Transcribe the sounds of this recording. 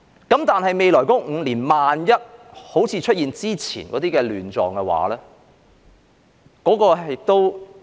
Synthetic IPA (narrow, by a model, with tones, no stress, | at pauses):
kɐ˨˥mt̪aː˨nɦɐ˨jme˨jlɔː˨˩jkɔː˨˦˥ŋ̩˨˧liː˨˩nmaː˨njɐ˥t̚ho˨˥wt͡sʰiː˨˧t͡ʃʰɵ˥t̚jiː˨nt͡siː˥t͡sʰḭː˨˩nkɔː˨˥t̪iː˥kɛ˧lyː˨nt͡sɔ̰ː˨ŋkɛ˧wa̰ː˨˥lɛː˥ | kɔː˨˥kɔː˧ɦjɪ˨k̚t̪o˥w